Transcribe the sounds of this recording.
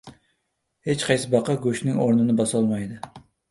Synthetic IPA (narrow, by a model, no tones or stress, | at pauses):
het͡ʃqʰɑjsɪbɑqɑɡoʃnɪŋoɾnɪnɪbɑsɑlˠmɑjd̪ɪ